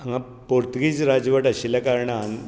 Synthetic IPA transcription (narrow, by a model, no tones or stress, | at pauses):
aŋa | poɾt̪əɡit͡sɾad͡zʋəʈaɕiljakaɾɳan